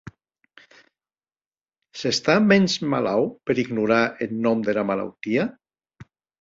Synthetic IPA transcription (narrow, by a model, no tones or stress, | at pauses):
sest̪amɛnzma̰lawpeɾiɡnuɾaʔelnɔmd̪elamala̰wt̪ia